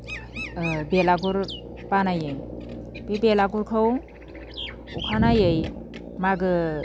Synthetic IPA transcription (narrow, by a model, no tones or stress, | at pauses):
belaɡuɾ | panajɯjpebelaɡuɾkʰɯw | ṵkʰanajɯj | maɡɯ